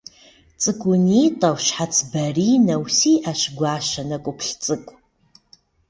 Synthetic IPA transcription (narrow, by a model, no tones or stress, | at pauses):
t͡sʼɨkʷʰʼʊniːtʼɐwɕħat͡sʰbɐriːnɐwsiːʔaɕɡʷɑːʃɐnɐkʷʼʊpʰɬt͡sʼɨkʷʼ